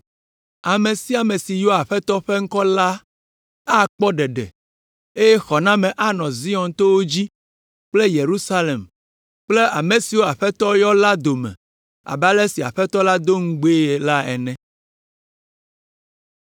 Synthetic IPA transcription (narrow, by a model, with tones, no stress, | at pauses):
a˨mẽ˨si˦a˨mẽ˨si˨jɔ˦a˨ɸɛ˦t̪ɔ˦ɸɛ˦ŋ̩˦kɔ˦la˦ | a˦k͡pɔ˦ɖɛ˨ɖɛ̰˨ | e˦je˦xɔ˨nã˦mɛ̃˨ʔa˦nɔ̃˨zi˦ɔ̃˨nt̪o˦wo˦d͡ʑi˦ | k͡ple˦je˨ɾu˦sa˦le˨m | k͡ple˦a˨mẽ˨si˨wo˦a˨ɸɛ˦t̪ɔ˦jɔ˦la˦d̪o˨mɛ̰̃˨ | a̰˨ba˦lɛ˦si˨a̰˨ɸɛ˦t̪ɔ˦la˦d̪o˦ŋ̩˦ɡ͡be˦e˨la˦ɛ̰˨nɛ̃˦